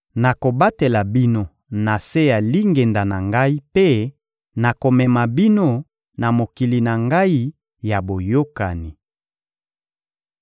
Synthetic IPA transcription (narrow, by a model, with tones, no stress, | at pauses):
na˨ko˨ba˦te˨la˨bi˦no˦ | na˨se˦ja˨li˦ŋɡe˨nda˨na˨ŋɡa˦i˦pe˦ | na˨ko˨mɛ˨ma˨bi˦no˦ | na˨mo˨ki˨li˨na˨ŋɡa˦i˦ | ja˨bo˨jo˦ka˨ni˨